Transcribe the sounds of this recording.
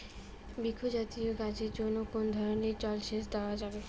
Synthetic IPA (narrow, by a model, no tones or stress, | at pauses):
bikʰːod͡ʑat̪ioɡad͡ʑeɾd͡ʑonːokonod̪ʱɔɾoneɾt͡ɕɔlʃeʃ̬d̪aoad͡ʑabe